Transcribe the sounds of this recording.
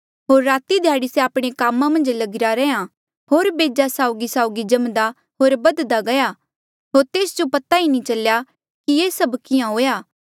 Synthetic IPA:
ɦoːɾːaːt̪id̪ʱjaːɽisɛaːpɽ̃ekaːmːãmɐ̃nd͡ʒlɐɡɪɾaɾɛ̃ːã | ɦoːɾbeːd͡ʒasaːʊɡisaːʊɡid͡ʒɐmd̪a | ɦoːɾbɐd̪d̪aɡɐja | ɦoːɾt̪eːsd͡ʒopɐt̪ainĩt͡ʃɐlja | kieːsɐbkɪjãɦoːjaː

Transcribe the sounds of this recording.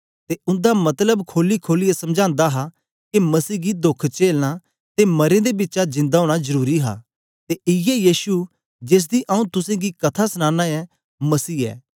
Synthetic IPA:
t̪eʊ̃nd̪amɐt̪ləbkʰoːlikʰoːlɪɛsɐ̃md͡ʒãːnd̪aɦa | kemɐsiːɡid̪ʊkʰt͡ʃeːlna | t̪emɐɾẽd̪ebɪtːt͡ʃad͡ʒɪ̃nd̪aɦoːɽ̃azɐɾuːɾiɦa̰ː | t̪eʔɪjɛjiːsu | d͡ʒeːs̬d̪iʔɐːũt̪ʊsẽɡikɐt̪ʰasñãːnaɛ | mɐsiːɛ̰ː

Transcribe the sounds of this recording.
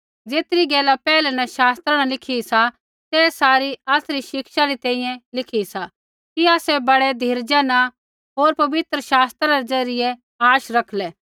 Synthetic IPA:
d͡zeːt̪ɾiɡɛːlapɛːlɛnɐʃaːst̪ɾanalɪkʰisa | t̪ɛsaːɾiaːsɾiʃɪkʃaɾit̪ɛ̃ːĩjɛ̃lɪkʰisa | kiaːsɛbɐɽɛd̪ʱiːɾd͡ʒɛna | ɦoːɾpɐʋɪt̪ɾəʃaːst̪ɾaɾed͡zɐɾɪjɛ | aːʃɾɐkʰlɛː

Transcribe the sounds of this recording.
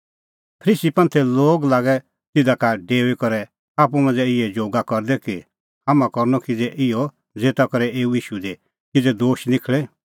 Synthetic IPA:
pʰəɾiːsipɐ̃nt̪ʰɛloːɡlaːɡɛ | t̪ɪd̪akaɖeːʋikɔɾɛ | aːpumãnd͡zɛɪɛd͡ʒoːɡakɔɾd̪ɛki | hamãkɔɾnɔkid͡zɛʔɪɔ | d͡zeːt̪akɔɾɛeːujiːʃud̪e | kid͡zɛd̪oːʃnɪkʰɭɛ

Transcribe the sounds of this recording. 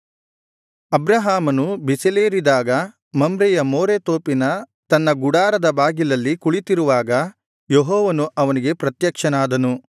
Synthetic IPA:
ɐbɾɐɦaːmɐnubiseleːɾid̪aːɡɐ | mɐmbɾɛjɐmoːɾet̪oːpinɐ | t̪ɐnːɐɡuɽaːɾɐd̪ɐbaːɡilɐlːikuɭit̪iɾuʋaːɡɐ | jeɦɔːʋɐnuʔɐʋɐniɡe̞pɾɐt̪jɐkʂɐnaːd̪ɐnu

